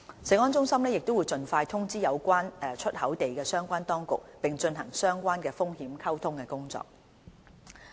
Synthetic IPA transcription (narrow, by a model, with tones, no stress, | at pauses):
sɛ˨˥ŋɔː˥nt͡sʊ˥ŋsɐ˥mnɛː˥jɪ˨k̚t̪o˥wu˨˧jt͡sɵ˨˧nfaː˧jt̪ʰʊ˥ŋt͡siː˥jɐ˨˧wkʷaː˥nɛː˨˧t͡ʃʰɵ˥t̚hɐ˨˥wt̪e˨jkɛː˧sœː˥ŋkʷaː˥nt̪ɔː˥ŋkʊ˨k̚pɪ˨ŋt͡ʃɵ˧nɦɐ˨˩ŋsœː˥ŋkʷaː˥nkɛː˧fʊ˥ŋhiː˨˥mkʰɐ˥wt̪ʰʊ˥ŋkɛː˧kʊ˥ŋt͡sɔ̰ː˨k̚